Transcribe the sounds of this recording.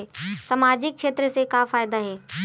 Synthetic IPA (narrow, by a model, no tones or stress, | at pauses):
sɐmaːd͡ʑɪk̚kʃeːt̪ɾəsekafaːjd̪aɦeː